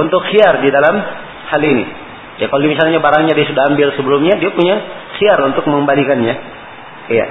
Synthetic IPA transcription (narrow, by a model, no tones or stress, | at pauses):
unt̪ʊksiardidalam | halinḭ | jakaloimisalɲabaɾaŋɲadiasudaɦambɪlsəbəlʊmɲadiapuɲa | siarunt̪ʊk̚məŋəmbalikanɲa | ja̰ʔ